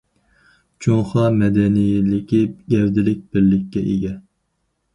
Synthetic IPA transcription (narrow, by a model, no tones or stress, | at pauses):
t͡ʃʰoŋχɑmɛd̪ɛnijɪlɪkʲiɡʲɛwd̪ɪlɪk̚ʲbɪɾlːɪkʲːɛʔeɡʲɛ